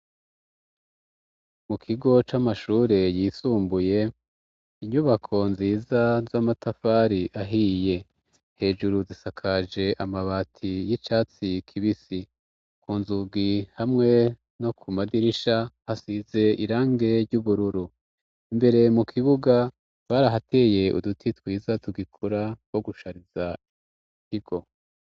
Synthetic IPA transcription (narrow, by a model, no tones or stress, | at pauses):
mukʰiɡo̞t͡ʃamaʃuːɾe̞jiːsuːmbuje̞ | iɲuβakʰo̞nziːzazamatafaːɾiʔaɦije̞ | he̞ːʒuɾuzisakʰad͡ʒe̞ʔamaβatʰijit͡ʃaːt͡sikʰiβisi | kuːnzuɡihamŋe̞ | no̞kʰumadiɾiʃahasize̞iɾaːŋɡe̞ɾɟuβuɾuɾu | imbe̞ɾe̞mukʰiβuɡa | βaɾaɦate̞ːje̞ṵdutʰitwiːzatuɡikʰuɾawo̞ɡuʃaɾiz̥a | ikiɡ̥o̞